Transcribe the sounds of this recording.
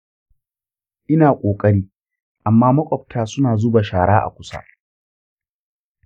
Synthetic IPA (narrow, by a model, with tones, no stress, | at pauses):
ʔɪ˦naː˨kʷʼoː˨kʼɐ˦ɽiː˦ | ʔa˨mːaː˦mɐ˦kʷʼɔ˨p̚tʰaː˦sʊ˦naː˨zʊ˦ba˨ʃaː˨ɽaː˦ʔa̰˨kʷʊ˦sa̰ː˦